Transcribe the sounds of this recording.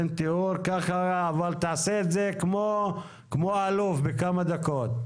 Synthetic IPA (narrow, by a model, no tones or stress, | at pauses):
nt̪euɾkaχaːvalt̪aaseːt̪zekmo | kmoalufbekamad̪ako̞t̪